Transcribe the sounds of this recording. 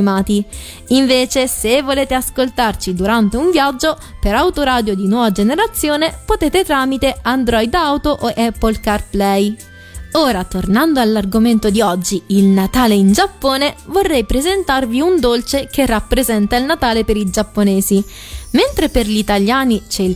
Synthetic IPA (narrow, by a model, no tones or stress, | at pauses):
imaːt̪i | iɱveːt͡ʃesevːoleːt̪easkolt̪art͡ʃid̪uɾant̪euɱvjad͡ʒːo | peɾawt̪oɾaːd̪jod̪inwɔːvad͡ʒeneɾat̪sːjoːnepot̪eːt̪et̪ɾaːmit̪eand̪ɾɔjd̪awt̪oʔoʔɛpːolkarplɛj | oːɾat̪ornand̪oalːarɡoment̪od̪iɔd͡ʒːiilnat̪aːleind͡ʒapːoːnevorːɛjpɾezent̪arviund̪olt͡ʃekerːapːɾezɛnt̪ailnat̪aːlepeɾid͡ʒapːoneːzi | ment̪ɾeperʎit̪aljaːnit͡ʃɛil